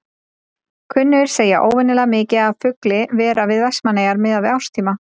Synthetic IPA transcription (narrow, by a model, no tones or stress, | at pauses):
kʰvʏnːʏɾ̥seːjaʔoːwvɛnːɪlaɣmɪːcɪaðfʏklɪvɛːɾavɪðvɛsmaneːjaɾmɪðavɪawst̪ʰiːma